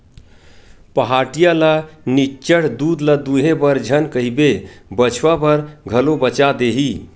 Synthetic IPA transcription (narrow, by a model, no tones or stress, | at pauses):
pəɦaʈijalanit͡ʃəɽ̤d̪ud̪lad̪uɦebəɾd͡ʒʱənkəɦibebət͡ʃʰʋapəɾɡʱəlobət͡ʃad̪eɦi